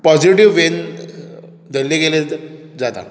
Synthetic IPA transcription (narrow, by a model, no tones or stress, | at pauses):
pɔd͡ʑiʈiʋːen | d̪əlːiɡele | d͡zat̪a̰